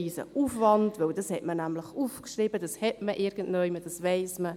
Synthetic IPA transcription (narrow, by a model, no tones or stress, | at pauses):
iːsə̰ʔufvɑndvʋœwdɑshɛtmənæmləχuːfkʃriːbəd̥ɑshɛtməʔɪɾɡ̥ən̩dnœʏməd̥ɑsvɛɪsmə